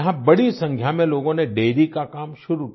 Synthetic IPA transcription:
ɦãbɐɽisɐ̃ŋɡʱjamẽloːɡõneɖeːɾikakaːmʃʊɾu

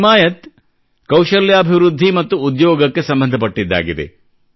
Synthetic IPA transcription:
maːjɐt̪ | kɐwʃɐljaːbʱiʋɾud̪ʱːimɐt̪ːuud̪jɔːɡɐkːe̞sɐmbɐnd̪ʱɐpɐʈːid̪ːa̰ːɡid̪ḛ

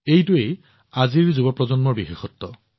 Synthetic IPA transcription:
ejtʊej | aziɹzubɔpɹɔzɔnmɔɹbixexɔtːɔ

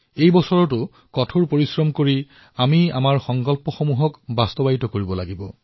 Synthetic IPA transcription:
ejbɔsɔɹɔtʊ | kɔtʰuɹpoɹisɹɔmkoɹi | amia̰maɹxɔŋkɔlpɔxomuɦɔkbastɔbaitɔkoɹibɔlaɡibɔ

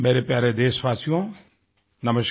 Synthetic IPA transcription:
meɾepjaɾed̪eːsʋasijõ | nɐməs

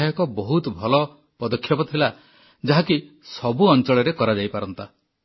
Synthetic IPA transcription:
jɔkɔbɔɦut̪bʱɔlɔ | pɔd̪ɔkʰːjɔpɔt̪ʰila | d͡ʒaɦaki | sɔbuɔnt͡ʃɔɭɔɾekɔɾad͡ʒajpaɾɔnt̪a

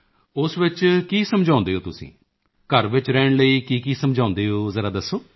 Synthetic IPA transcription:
ʊsʋɪt͡ʃkiːsəmd͡ʒãːnd̪eːɦoːt̪ʊsḭ̃ː | kəɾʋɪt͡ʃɾɛːɳləiːkiːkiːsəmd͡ʒãːʊ̃nd̪eːɦoːzəɾaːd̪əsːoː

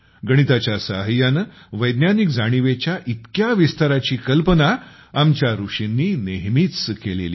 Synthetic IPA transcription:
ɡəɽ̃it̪at͡ɕjasaɦəjan | ʋəjd̪njanikd͡zaɽ̃iʋet͡ɕjaʔit̪kjaʋist̪aɾat͡ɕiːkəlpənaamt͡ɕjaɾuʂinːiːneɦmit͡skelḛlḭː

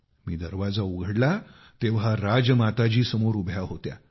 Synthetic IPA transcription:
miːd̪əɾʋad͡zauɡʱəɽla | t̪eʋɦaɾad͡zmat̪ad͡ʑiːsəmoɾubʱjaɦot̪ja̰

